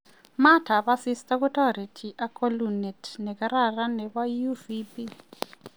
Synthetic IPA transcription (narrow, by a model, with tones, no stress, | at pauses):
ma˦tʰa˨βa˦sistaku˦tʰa˦ɾi˨tʰiʔa˦kʰolunɛtʰnɛ˨kaɾara˦nɛ˨βa˦juvipi